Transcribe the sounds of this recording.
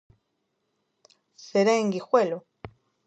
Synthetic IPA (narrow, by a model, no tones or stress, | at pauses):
seɾaeŋɡixwelo